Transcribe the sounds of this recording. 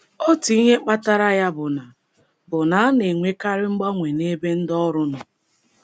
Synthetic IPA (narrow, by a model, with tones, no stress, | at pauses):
o˦ti˦ɲe˦k͡pa˦ta˦ɾa˦ja˦bʊ˨na˨ | bʊ˨na˨˦a˦ne˨ŋʷe˦ka˦ɾɪ˦ŋ͡m̩˦ɡ͡bɔ˦ŋʷe˨ne˦be˦n̩˦dɔ˦ɾʊ˦nʊ˨